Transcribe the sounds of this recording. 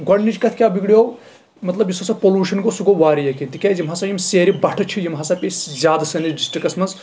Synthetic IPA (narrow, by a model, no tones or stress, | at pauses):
ɡɐɽnid͡ʒkɐt̪ʰkʲjaːbiɡɽijo | mɐt̪lɐbjisɐsɐpoluːʃɐnɡosuɡoʋaːɾijekint̪ikʲad͡ʒimɦaːsajimseːɾibɐʈʰɐt͡ʃʰijimɦaːsapʲeszʲjaːd̪sɐnid͡ʒisʈikɐsmɐnz